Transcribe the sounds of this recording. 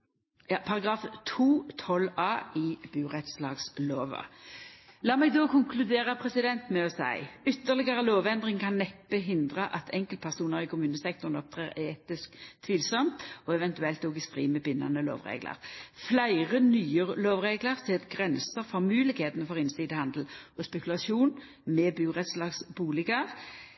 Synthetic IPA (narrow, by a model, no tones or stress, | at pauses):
jɑːpʰɑʁɑɡʁɑːft̪ʰuːt̪ʰɔlɑːɪb̥ʉːʁɛt̪slɑːɡsloːʋə̰ | lɑːmɛɡ̚d̪oːkʰʊŋkʰlʉd̪eːʁəpʰʁɛsɪd̪ɛnt̪mɛɔsæ̰ɪʏt̪ːəʁlɪɡəʁəloːʋɛnd̪ʁɪŋkʰɑnːɛpːəɦɪnd̪ʁəʔɑt̪ʰɛŋkəlt̪̚pʰæʁsuːnəʁɪkʰʊmʉːnəsɛk̚t̪ɔʁnɔp̚t̪ʰʁeːʁeːt̪ɪskt̪ʰʋiːlsɔmt̪ɔɛʋɛnt̪ʉɛlt̪oːɡɪst̪ʁḭːməbɪnːɑ̰nəlo̰ːʋʁḛːɡlə̰ʁflæɪʁənyːəʁloːʋʁeːɡləʁsɛːt̪ɡʁɛnsəʁfɔʁmʉːlɪkheːt̪ənəfɔʁɪnsiːd̪əhɑnd̪l̩ɔspɛkʉlɑʃuːn | mɛːbʉːʁɛt̪slɑːɡsbuːlɪɡɑʁ